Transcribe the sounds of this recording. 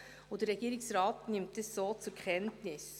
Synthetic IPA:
ud̥əɾːɛɡ̥iːɾɪksɾɑːtnɪmtd̥əssoːt͡suɾkχɛntnɪs

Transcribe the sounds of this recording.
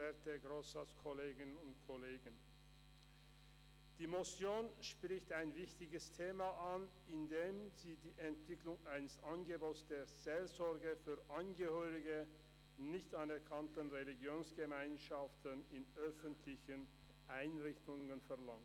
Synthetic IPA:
ɛɐtəɡʁoːsaskʰɔleːɡənʊntkʰɔleːɡən | d̥iːmosjoːnʃpʁ̥ɪçtaɪnvɪçtɪɡəstʰeːmaʔan | ɪndeːmziːdiːʔɛntv̥ɪklʊŋʔaɪnəsʔanɡəboːsd̥eːz̥eːlzɔɐɡəfyːɐʔanɡəhøːʁɪɡə | nɪçtanɛɐkʰantənʁeliɡjoːnsɡ̥əmaɪnʃaftənɪnʔœfəntʰlɪçən | ʔaɪnʁɪçtʊŋənfɛɐlaŋt

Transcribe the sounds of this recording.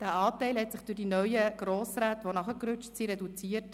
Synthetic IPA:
d̥æːɑːtɛɪlhɛtsɪχd̥ʊdinœʏəɡ̥ɾoːsɾaːtʋonɑχəkɾʉt͡ʃtsiːɾɛdut͡siːət

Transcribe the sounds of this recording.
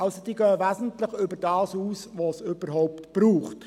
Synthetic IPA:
ɑlsod̥iːɡœːʋæsn̩tləχʏbəɾdɑːsuːsʋosʏb̥əɾɦɔwptb̥ɾuːχt

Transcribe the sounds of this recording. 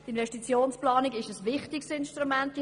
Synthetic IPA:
tɪnvɛʃtit͡sjoːnsplaːniɡɪʃəsvɪχtɪksɪnʃtɾumɛnt

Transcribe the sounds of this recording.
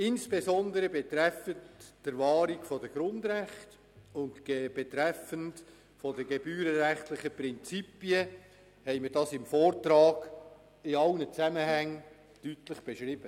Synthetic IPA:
ɪnsb̥esɔndəɾəbet̪ɾɛfətːəɾvɑːɾiɡfɔdəɡ̥ɾʊndɾæχt | ʊntb̥etɾɛfənt | fɔdəɡebyːɾəɾæχtlɪχəprɪnt͡sipiə | hɛɪməd̥ɑːsɪmfɔːrtɾɑːɡ̥ | ɪɑlnət͡sæməhæŋ | tytləχb̥eʃɾɪb̥ə

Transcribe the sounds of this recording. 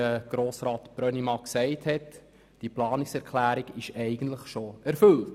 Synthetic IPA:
əɡ̥ɾoːsɾɑːt̪b̥ɾœnimɑksɛɪthɛt | d̥iplɑːnɪksɛɾkʰlæːɾiɡɪʃɛɪɡ̥əntləχʃoʔɛɾfɵlt

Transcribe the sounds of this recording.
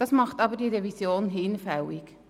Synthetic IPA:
d̥ɑsmɑχtɑbədiɾevisjoːnɦɪnfɛwik

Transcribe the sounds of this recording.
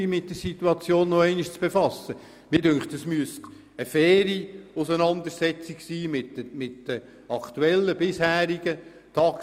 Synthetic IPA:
imɪt̚d̥̪əsit̪uɑt͡sjoːnːɔɛɪniʃt͡sb̥efɑsːə | mɪdøŋktəsmyəst | əfɛːɾiʊsənɑnd̪əɾsɛt͡siksiːmɪtmɪtd̥ə | ɑkt̪uɛlːəbɪshæːɾiɡ̥ə | t̪ʰɑːk

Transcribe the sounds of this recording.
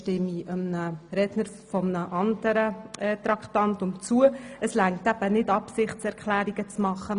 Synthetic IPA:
ʃtɪmːiəmnəɾɛdnəɾ | fɔmnəʔɑndəɾəɛːt̪ɾɑkχtɑntʊnt͡suəəslæŋtæb̥ənɪtɑpsɪχt͡sɛɾkʰlæːɾiɡət͡smɑχːə

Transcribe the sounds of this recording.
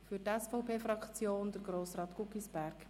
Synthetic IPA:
fytɛsfɔʊpʰeːfɾɑkt͡sjoːnd̪əɾɡ̥ɾoːsrɑːt̪kukisbæɾk

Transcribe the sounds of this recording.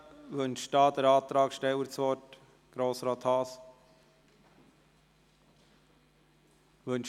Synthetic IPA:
ʋɵnʃd̥ɑːd̥̪əɾɑːt̪ɾɑːkʃtɛwəɾt͡sʋɔt | ɡ̥ɾoːsɾɑːt̪hɑːs | ʋɵnʃ

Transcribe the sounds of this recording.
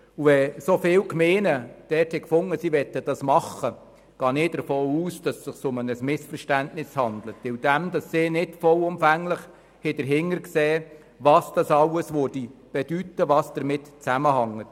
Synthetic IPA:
uʋɛsofɪːwkmeːnəd̥ɛthɛkfʊŋːəsiʋɛtːəd̥ɑsmɑχə | ɡ̥ɑːnɪd̥əɾfoːuːsd̥ɑsːɪχsʊmənəsmɪsfəɾʃtæntnɪshɑnd̪lətːɪwd̥æmd̥ɑsːɪːnɪtfɔwʊmfæŋlɪχ | hɛd̥əɾɦɪŋːəɾkseː | ʋɑːsd̥ɑsɑwəsʋʊɾd̥ib̥ɛd̥ytːəʋɑːsd̥əɾmɪtt͡sæməhɑŋːət

